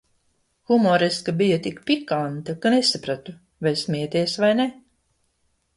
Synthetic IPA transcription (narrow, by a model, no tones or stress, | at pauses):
xumɔɾiskabijat̪ikpikant̪akanesapɾat̪u | vajsmiɛt̪iɛsvajnɛ